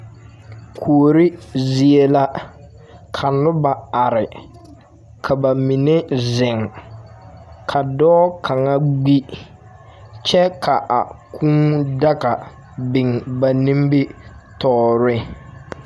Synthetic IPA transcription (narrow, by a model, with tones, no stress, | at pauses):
kʰu˨ɾɪ˦zi˨e˦la˦ | kʰa˨nʊ˦ba˨a˨ɾɪ˨ | kʰa˨ba˨mi˨ne˦zɪ˨ŋ | kʰa˨dɔː˦kʰa˨ŋa˦ɡ͡bi˦ | t͡ʃɛ˦kʰa˨ʔa̰˨kʰũː˦ŋda˦ka˨ | bɪ˨ŋba˨ni˦mbɪ˦tɔː˦ɾɪ˦